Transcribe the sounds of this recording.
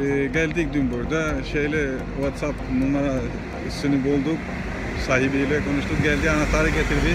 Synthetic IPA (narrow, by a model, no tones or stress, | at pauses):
ɟælʲd̪ic̚d̪ynbuɾd̪aʃejlʲɛ | vat̪sapmunˠaɾa | sɯnɯbulˠd̪uk | saːɦibilʲɛkʰo̞nuʃt̪uk̚ɟɛlʲd̪ianat̪aːɾɯɟe̞t̪ʰiɾd̪i